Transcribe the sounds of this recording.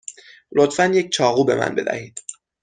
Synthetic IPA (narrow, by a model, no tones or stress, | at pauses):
lot̪fænje̞ct͡ʃʰɒːɣuːbe̞mʔæ̰nbe̞d̪æ̰hiːd̪̥